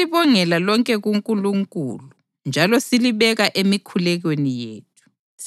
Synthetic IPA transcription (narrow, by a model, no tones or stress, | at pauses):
iβɔŋɛlalɔŋkʼɛɣuŋkʼuluŋkʼṵlu | nd͡ʒʱalɔsiliβɛɣaʔemikʰulɛɣwenijḛːt̚ʰu̥ | s